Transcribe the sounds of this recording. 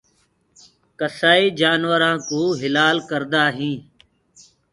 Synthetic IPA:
kəsaːiːd͡ʒaːnʋəɾãːkuːɦɪlaːlkəɾd̪aːɦĩː

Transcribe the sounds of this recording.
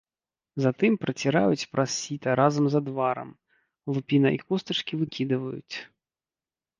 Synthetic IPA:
zat̪ɨmpɾɐt͡sʲiɾa̰jut͡sʲpɾɐssʲit̪ɐɾazɐmzɐd̪vaɾɐ̰m | lˠupʲinɐʔikust̪ɐt͡ʂkʲivɨkʲʰid̪ɨvɐjṵt͡sʲ

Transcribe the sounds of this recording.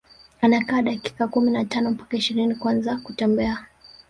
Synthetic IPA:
anakaːɗaki̥kakuminatanɔpakaiʃiɾinikwanzakutɛmbɛa

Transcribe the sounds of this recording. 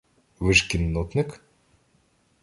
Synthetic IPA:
ʋɪʃkʲinːɔt̪nɪk

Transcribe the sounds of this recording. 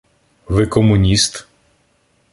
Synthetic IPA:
ʋɪkɔmʊnʲist̪

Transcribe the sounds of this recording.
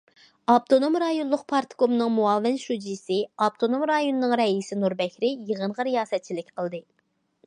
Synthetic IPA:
ɑp̚t̪ʰonomɾɑjonlˠʊq̚pʰɑɾt̪ɨ̥komnɨŋmuɑːvɪnʃud͡ʒisɪɑp̚t̪ʰonomɾɑjonɨnɨŋɾɛisɪnuɾbɛkʲɾɪjəʁənʁɑɾijɑːsɛt̪̚t͡ʃʰilɪkʲqʰəlˠd̪ɨ

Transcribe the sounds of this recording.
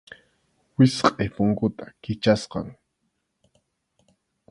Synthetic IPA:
wɪsqʼepʊŋkʊt̪ḁkɪt͡ʃasqɑ̰ŋ

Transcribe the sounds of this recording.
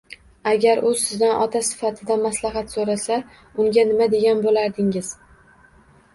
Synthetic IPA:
aɡʲaɾʔʊsɪznanʔɒt̪ʰasɪ̥fat̪ʰɪd̪amaslˠaɦat̪soɾasa | ʊŋɡʲanɪmad̪e̞ɡʲanbolaɾd̪ɪŋɪz̥

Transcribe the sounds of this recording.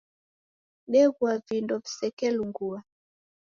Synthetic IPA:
ɗɛɣwavindɔvisɛkɛluŋɡua

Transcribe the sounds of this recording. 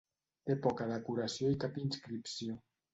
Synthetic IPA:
t̪epɔkaðekuɾasjoikapinskɾipsio

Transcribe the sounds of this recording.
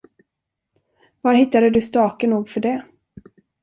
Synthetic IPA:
vaɾhɪt̪ːad̪əd̪ɵst̪ɑːkənuːɡfœɖɛ

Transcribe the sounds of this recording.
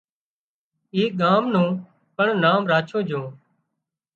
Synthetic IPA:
iːɠaːmnũː | pəɳnaːmɾaːt͡ʃʰõːd͡ʒõː

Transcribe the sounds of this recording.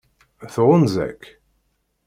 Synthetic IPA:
θʁʊnzæ̰kː

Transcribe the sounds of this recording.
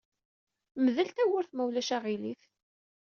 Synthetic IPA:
məðəlt̪æwəɾθmæwlæʃæʁiliθ

